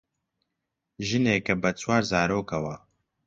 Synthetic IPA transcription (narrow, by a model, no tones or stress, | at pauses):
ʒɨneːkɐbɐt͡ʃʰwaːɾzaːɾoːkɐwɐ